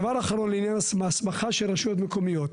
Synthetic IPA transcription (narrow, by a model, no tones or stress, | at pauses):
vaɾaχaɾo̞nleinjanasmasmaχaʃelʁaʃujot̪meko̞mijot